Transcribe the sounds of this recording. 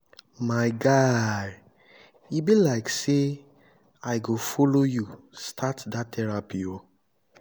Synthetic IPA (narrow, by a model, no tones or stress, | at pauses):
maɪɡad | ibilaɪkse | aɪɡofoloju | stʰatdatʰɛɹapio